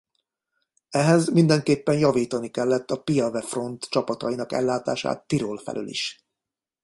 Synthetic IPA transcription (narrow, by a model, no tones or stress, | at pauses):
ɛɦɛzmind̪ɛŋkeːpːɛnjɒviːt̪ɒnikɛlːɛt̪ːɒpijɒvɛfro̞nt̪t͡ʃɒpɒt̪ɒjinɒkɛ̰lːaːt̪aːʃa̰ːt̪ːiɾolfɛ̰lø̰lḭʃ